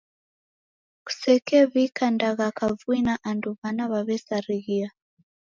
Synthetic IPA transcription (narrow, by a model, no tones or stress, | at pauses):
ku̥sɛkɛβikandaɣakavuinaʔanduβanaβaβɛsaɾiɣia